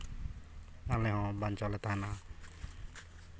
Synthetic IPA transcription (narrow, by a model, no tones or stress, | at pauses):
alɛɦɔ̃bant͡ʃɔlɛt̪ana